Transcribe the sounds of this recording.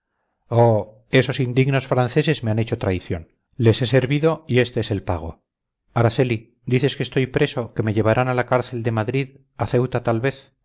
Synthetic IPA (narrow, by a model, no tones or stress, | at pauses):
o | e̞so̞sind̪iɣno̞sfɾanθe̞se̞zmeane̞t͡ʃo̞t̪ɾajθjo̞n | le̞se̞se̞ɾβiðo̞ie̞st̪e̞ese̞lpaɣ̞o̞̰ | aɾaθe̞li | d̪iθe̞ske̞st̪o̞jpɾe̞so̞ke̞me̞ʝe̞β̞aɾanalakaɾθe̞ld̪e̞maðɾið | aθe̞wt̪at̪alβe̞θ